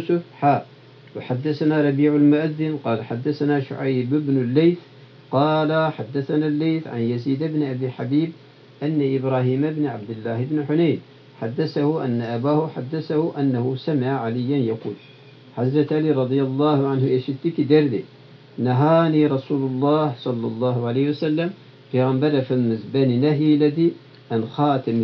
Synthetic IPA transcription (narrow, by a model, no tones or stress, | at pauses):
sʊfħaː | wɪħad̪ːasanaɾˤɑbiːʕalmʊʔaðːɪnqɑːlaħad̪ːasanaʃʊ̰ʕajbɪbnʊlːajθ | qɑːlaħad̪ːaθanalːejθʕa̰njaziːd̪ɪbnʔabiħabiːb | ʔanːaʔɪbɾaːhiːmabnʕa̰b̚d̪ɪlːaːhɪbnħʊnaːn | ħad̪ːasahʊʔanːaʔabaːhʊħad̪ːasahʊʔanːahʊsamɪʕaʕalɪjːanjaquːl | ħazɾat̪ʔaliːɾˤɑd̪ˤɨjɑlˤːɑːhʕanhʊʔaʃɪt̪ːikid̪aɾˤd̪i | naɦaːniːɾˤɑsuːlʊlˤːɑːhsˤɑlːɑlˤːɑːhʊʕaleːhɪwasalːam | pajɣambɑɾˤfɪlmɪzbaninaɦilad̪i | ʔanxɑːt̪am